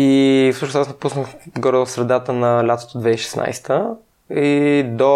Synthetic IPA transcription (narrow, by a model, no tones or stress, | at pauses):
ifsuʃnosasnɐpusnəxɡɔɾɛəfsɾɛd̪at̪ənɐlʲat̪o̥t̪od̪vɛiʃɛ̥snʔa̰jst̪ə | id̪o